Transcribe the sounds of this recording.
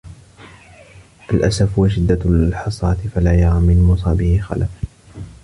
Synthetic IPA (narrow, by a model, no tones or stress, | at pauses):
ʔalʔasafhwaʃ̬ɪd̪ːaħɑsˤɑːt̪ɪfalajɑɾˤaːmɪnmʊsˤɑːbɪhɪxa̰laf